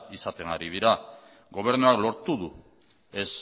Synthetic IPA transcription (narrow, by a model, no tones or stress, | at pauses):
isat̪e̞ŋɡaɾið̞iɾa | ɡo̞β̞e̞ɾnuaklo̞ɾt̪uðu | e̞s